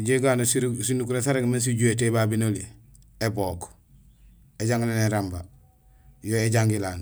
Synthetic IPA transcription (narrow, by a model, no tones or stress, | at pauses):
ɟeɡaːnossinukunsaɾeɡmens̬iɟuet̬ebabinoli | eboːk | eɟaŋɡilaneɾamba | joːeɟaŋɡilan